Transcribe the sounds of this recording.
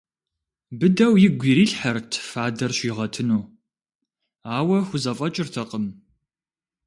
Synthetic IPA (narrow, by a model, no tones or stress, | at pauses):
bɨdɐwjɪɡʷiːɾiːɬħɐrtʰfaːdɐrɕʷiːʁɐtʰɨnuː | aːwɐxʷʊzɐfʼɐt͡ʃʼɪrtʰɐqʼəm